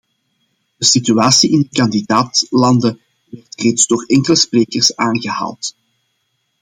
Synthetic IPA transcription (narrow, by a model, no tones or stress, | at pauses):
d̥əsityaːsiɪndəkɑndidaːtlɑndə | ʋɛrtreːtzdoːrɛŋkələspreːkərsaːnɣəɦa̰ːlˠt